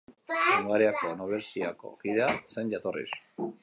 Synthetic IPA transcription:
aŋɡaɾeako̞noβeɾsiako̞̰kiðe̞ase̞nʝat̪orḭs

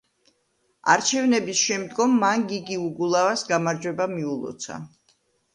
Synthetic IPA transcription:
a̰ɾt͡ʃʰɛvnɛbisʃɛmd̪ɡɔmːanɡiɡiuɡulˠavasɡamaɾd͡ʒwɛbamiulˠɔ̰t̪sʰa̰

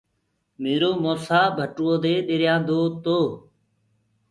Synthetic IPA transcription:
meːɾoːmoːsaːbʱəʈuoːd̪eːɗeɾjãːd̪oːt̪oː

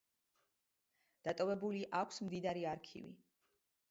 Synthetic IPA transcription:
d̪̥at̪ʼɔvɛbuliʔakʷʰsmd̪id̪aɾiaɾkʰḭvḭ

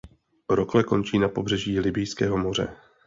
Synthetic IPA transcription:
ɾoklɛko̞nt͡ʃiːnapo̞br̝ɛʒiːlɪbɪjskɛːɦo̞mo̞r̝ɛ̰

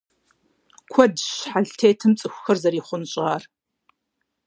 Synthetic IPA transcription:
kʷʰɔdɕħaɮtʰeːtʰɨmt͡sʼɨxʷxɐrzɐɾiːχʷʊnɕʼʁaːr

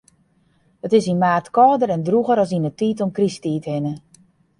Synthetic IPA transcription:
hətɪsinmaːrtkɔːdəɾɛndruɣəɾɔsinətiːtɔmkristiːthɪnə

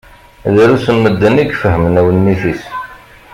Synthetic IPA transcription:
ðəɾusəmːəd̪ːəniɡfəɦəmənæwənmiθis

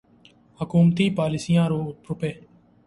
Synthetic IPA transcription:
hʊkuːmt̪iːpaːlɪsijãːɾoːɾʊpeː

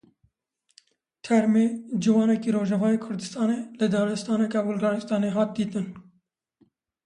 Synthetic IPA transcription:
t̪ʰɛɾmed͡ʒɪwɑːnɛkiːɾoːʒɛvɑːjeːkʰʊɾd̪ɨst̪ɑːneːlɨd̪ɑːlɛst̪ɑːnɛkɑwʊlɡɑːɾɨst̪ɑːneːɦɑːt̪̚d̪iːt̪ɨn

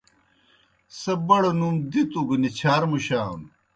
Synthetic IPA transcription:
sɐbɐɽonumd̪it̪uɡunit͡ɕʰaːɾmuɕaːṵn

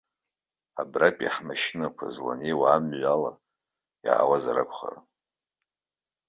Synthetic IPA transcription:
abrapʼaħmaʃɪnakʷʰazla̰newaːmɥala | ja̰ːwazaɾɨkʷʰχa̰r

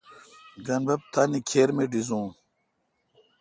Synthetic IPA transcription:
ɡɐnbɐb̚t̪aːnikʰeːɾmeɖizũː

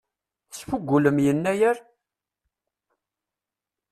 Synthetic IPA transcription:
θsfuɡʷːuləmjənːæjæɾ

